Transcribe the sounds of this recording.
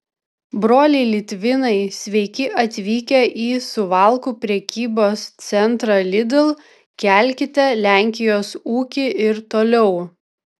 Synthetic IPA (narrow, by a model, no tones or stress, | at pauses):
bɾoːlʲɛɪlʲɪt̪ʲʋʲɪnɐɪsʲʋʲɛɪkʲɪʔɐt̪ʲʋʲiːkʲɛʔiːsʊʋɑˑlˠkuːpʲɾʲɛkʲiːboːst̪sʲɛnt̪ɾɐlʲɪd̪ʲɪlˠ | kʲæˑlʲˑkʲɪt̪ʲɛlʲæˑŋʲkʲɪjoːsuːkʲɪɪɾt̪oːlʲɛʊ